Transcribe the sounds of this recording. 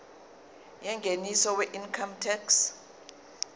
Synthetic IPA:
jɛŋɡʱenisɔwɛʔinkʰamtʰɛks

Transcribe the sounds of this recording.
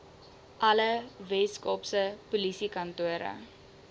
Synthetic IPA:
ʔɐləvɛskɔpsəpulisikɐntuəɾə̰

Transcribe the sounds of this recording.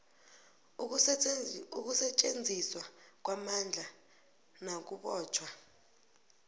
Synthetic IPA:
uk̬usɛt͡ʃʼend͡zʱiswak̬wamand͡ɮʱa | nak̬uɓɔːt͡ʃʰwa

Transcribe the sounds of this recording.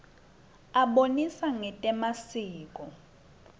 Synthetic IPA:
aɓonisaŋɛtʼɛmasiːk̬ʼɔ

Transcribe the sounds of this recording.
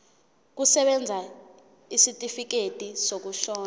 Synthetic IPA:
k̬usɛɓɛnd͡zʱa | isitʼifik̬etʼisok̬uʃɔːna

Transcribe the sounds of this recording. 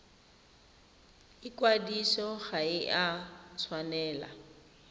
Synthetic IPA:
ɪkwadisɔɣaɪʔat͡sʰwanɛːla̰

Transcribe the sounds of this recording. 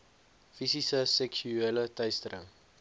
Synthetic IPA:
fisisəsɛksyelətœjstəɾə̰ŋ

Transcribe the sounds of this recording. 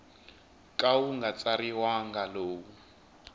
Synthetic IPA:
kʼawuŋɡat͡saɾiwaŋɡaloːwu

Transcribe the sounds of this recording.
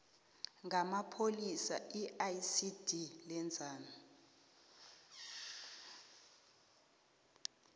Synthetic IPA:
ŋʱamapʰolisaiajsid̥ʱilɛnd͡zʱaːna

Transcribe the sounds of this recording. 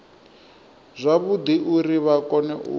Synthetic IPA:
zʷaβud̪iʔuɾiβakɔnɛʔṵ

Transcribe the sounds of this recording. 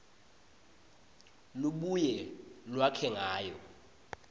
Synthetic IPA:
luɓujɛlwakʰɛŋaːjɔ

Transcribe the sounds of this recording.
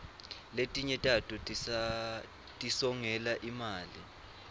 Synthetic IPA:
letʼiɲɛtʼatʼutʼ | tʼisɔŋɛlaʔimaːli

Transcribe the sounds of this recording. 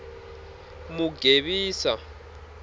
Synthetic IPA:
muɡ̥ʱeɓiːsa

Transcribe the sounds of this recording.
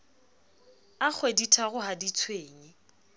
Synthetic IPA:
ak͡xʰweditʰaɣʊhadit͡sʰweːŋɪ

